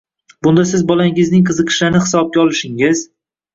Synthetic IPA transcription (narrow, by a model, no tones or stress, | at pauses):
bʊnd̪asɪzbɒlaŋɪznɪŋqʰɨzɨqʰɨ̥ʃlanɪhɪ̥sɒb̚ɡʲaɒlɪʃɪŋɪz